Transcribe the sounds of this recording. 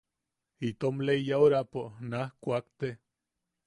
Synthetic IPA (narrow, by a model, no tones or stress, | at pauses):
it̪omleijaoɾaponahkʷakt̪e